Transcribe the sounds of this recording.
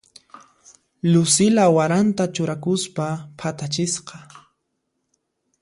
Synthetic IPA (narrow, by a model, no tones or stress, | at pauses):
ʎʊsɪlawaɾant̪at͡ʃʊɾakʊspapʰat̪at͡ʃɪsqɑ